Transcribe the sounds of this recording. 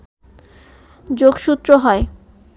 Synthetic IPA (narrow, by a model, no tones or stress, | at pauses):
d͡ʑoɡʃut̪ːɾoɦɔe